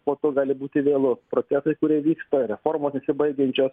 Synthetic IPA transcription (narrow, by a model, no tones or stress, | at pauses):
poːt̪oːɡɑːlʲɪbuːt̪ʲɪʋʲeːlˠʊpɾoːt̪ʲæːsɐɪkʊɾʲiɛʋʲiːkst̪oːɾʲɛfoːɾmoːsnʲɛsʲɪbɐɪɡʲɛnʲt͡ʃʲoːs